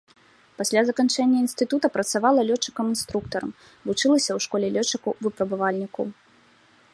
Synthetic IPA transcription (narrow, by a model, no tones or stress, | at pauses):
pasʲlʲazɐkant͡ʂɛnʲːɐinst̪ɨt̪ut̪ɐpɾɐt̪savalˠɐlʲɔt͡ʂːɨ̥kɐmɨnst̪ɾukt̪ɐɾɐ̰m | vut͡ʂɨlˠɐsʲɐwʂkɔlʲɛlʲɔt͡ʂːɨkɐvɨpɾɐbɨvalʲnʲikṵ